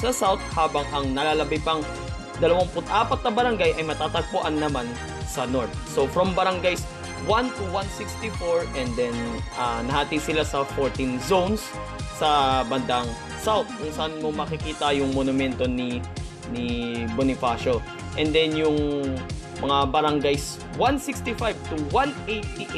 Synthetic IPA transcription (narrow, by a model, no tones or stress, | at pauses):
sɐsawt̪̚haːbɐŋɐŋnɐlaːlɐbɐjpɐŋ | d̪ɐlɐwaŋpʊt̪ʔaːpɐt̪̚nɐbɐɾɐŋɡajʔɐjmɐt̪aːt̪ɐɡ̚pʊʔanːɐman | sɐnoɹt̪̚sofɾombɐɾɐŋɡajs | want̪uwansikst̪ifoɹʔɛnd̪ɛnʔɐnɐhaːt̪iɡsɪlasɐfoɹt̪inzownsː | ɐbɐnd̪aŋ | sawt̪̚kʊŋsɐʔanmomɐkɪkiːt̪ɐjʊŋmonʊmɛnt̪o̞ni | nibonɪfaːʃo | ʔɛnd̪ɛnjʊŋ | mɐŋabɐɾɐŋɡajs | wansikst̪ifajv̚t̪ʊwanʔejt̪ːiʔ